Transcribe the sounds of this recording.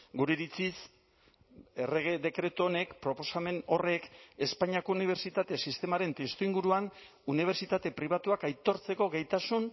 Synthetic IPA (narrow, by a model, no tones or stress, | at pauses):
ɡuɾeɾit͡sis | ereɣed̪e̞kɾe̞t̪uone̞kpɾo̞po̞same̞no̞re̞ke̞spaɲiako̞uniβ̞e̞ɾt͡ʃit̪at̪e̞sist̪e̞maɾe̞nt̪est̪uiŋɡuɾuan | uniβ̞e̞ɾt͡ʃit̪at̪e̞pɾiβ̞at̪uakajt̪o̞ɾt͡se̞ko̞ɣejt̪asun